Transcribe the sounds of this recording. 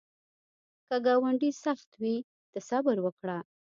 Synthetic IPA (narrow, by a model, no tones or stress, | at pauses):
kəɡɑwaɳɖisaxt̪wi | d̪̥əsabəɾwəkɽa